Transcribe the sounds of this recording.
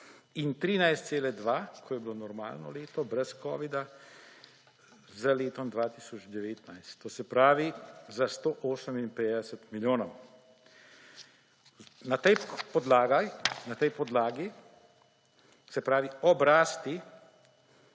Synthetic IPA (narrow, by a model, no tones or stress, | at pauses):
int̪ɾiːnajst̪seːlɛd̪ʋaːkʰɔjɛbilonɔɾma̰ːlnɔ̰leːt̪ɔbɾɛskɔ̰ːʋid̪a | zaleːt̪ɔmd̪ʋaːt̪iːsɔt͡ʃd̪ɛʋeːt̪najst̪ːoːsɛpɾaːʋizast̪oːʔoːsəminpeːd̪ɛsɛt̪miljoːnɔw | nat̪ɛjpɔd̪laːɡanat̪ɛjpɔd̪laːɡi | sɛpɾaːʋiɔbɾaːst̪i